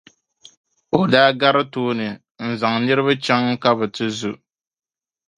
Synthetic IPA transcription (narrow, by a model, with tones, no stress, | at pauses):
o˨daː˦ɡa˦ɾɨ˦toː˦nɨ˨ | n̩˨za˨ŋnɨ˦ɾɨ˦βa˦t͡ʃɛ˦ŋ˦ka˦bɨ˨tɨ˦zu˦